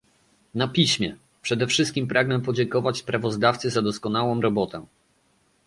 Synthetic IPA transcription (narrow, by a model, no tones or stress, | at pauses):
napʲiɕmʲjɛ | pʂɛd̪ɛfʂɘst̪kʲimpɾʔaɡnɛpɔd͡ʑɛŋkɔvat͡ɕspɾavɔzd̪aft̪sɘzad̪ɔskɔnawɔ̃w̃ɾɔbɔt̪ɛ